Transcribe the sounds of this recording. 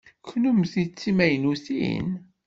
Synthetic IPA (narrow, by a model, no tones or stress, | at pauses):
kːnumθit͡sːimæjnuθḭn